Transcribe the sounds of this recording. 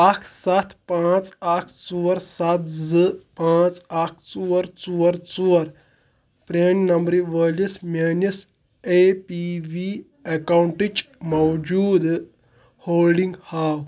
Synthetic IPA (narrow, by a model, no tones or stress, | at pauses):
akʰsɐt̪ʰpãːt͡sakʰt͡suɐɾsɐt̪̚ʰzɨpãːt͡sakʰt͡suɐɾt͡suːɐɾt͡suɐɾ | pɾennɐmbɾiʋəːlismeːnis | eːpiʋi | ekawɳʈit͡ʃmɐwd͡ʒuːd̪ | hoːlɖiŋɡhaːw